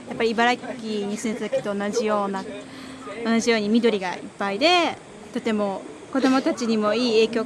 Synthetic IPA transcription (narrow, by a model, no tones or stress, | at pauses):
japːaɾʲiːbaɾakʲːiɲ̟isɨ̃nt̪ad̪ake̥t̪oːnaʑijo̞ːna | o̞naʑijo̞ːɲ̟imʲid̪o̞ɾʲiɡa̰ḭpːaid̪e̞ | t̪o̞t̪e̞mo̞ | ko̞d̪o̞mo̞t̪at͡ɕiɲ̟imo̞iːe̞ːkʲo̞ː